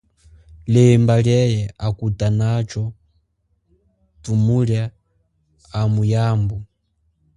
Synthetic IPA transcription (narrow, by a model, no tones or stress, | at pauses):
lɛmbaljɛjɛakutanat͡ʃɔ | tumulja | amujaːmbɔ